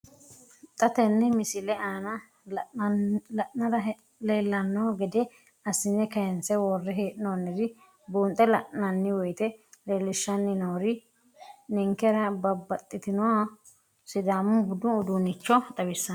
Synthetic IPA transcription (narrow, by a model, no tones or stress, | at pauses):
t̪ʼɐt̪ɛnːɛmɪsɪlɛaːnɐ | lɐʔnɐɾɐ | leːlːɐnːɔɡɛd̪ɛ | ɐsɪnːɛkɐjɛnsɛwɔrːɛɦeːᶑɪnonːɪɾɪ | boːnt̪ʼɛlɐʔnɐnːɪwɔjt̪ɛleːlːɪʃːɐnːɪnoːɾɪ | nɛŋkɛɾɐbɐbːɐt̪ʼːɪt̪ɪnɔwa | sɪd̪aːmʊbʊd̪ʊʊd̪unɪt͡ʃːɔt̪ʼɐbɪsːɐn